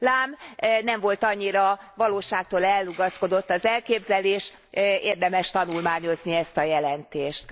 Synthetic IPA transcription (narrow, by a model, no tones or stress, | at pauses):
laːmnɛɱvo̞lt̪ɒɲːiɾɒvɒloːʃaːk̚t̪oːlɛlːuɡɒsko̞d̪o̞t̪ːɒzɛlkeːbzɛleːʃ | eːrd̪ɛmɛʃt̪ɒnulmaːɲo̞zniɛst̪ɒjɛlɛnt̪eːʃt̪